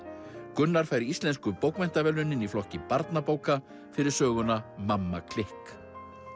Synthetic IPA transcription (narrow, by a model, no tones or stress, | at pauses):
kʏnːaɾ̥faːjɾɪist̪lɛnskʏpowkmɛjn̥t̪avɛlʏnːɪniflɔhcɪpaɾt̪napoːwka | fɪɾɪɾ̥sœːɣʏnamamːakʰlɪhk